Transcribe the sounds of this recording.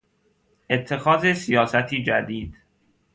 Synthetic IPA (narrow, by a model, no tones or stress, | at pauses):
ʔe̞t̪ʰːe̞xɒːzesijɒːsæt̪ʰiːd͡ʒæd̪iːd̪̥